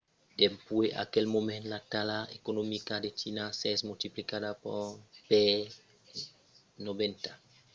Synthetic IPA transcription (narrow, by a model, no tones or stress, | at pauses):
d̪̥empweʔa̰kelmomẽnlat̪alaekonomikad̪et͡ʃinasesmult̪iplikadapope | noβent̪ḁ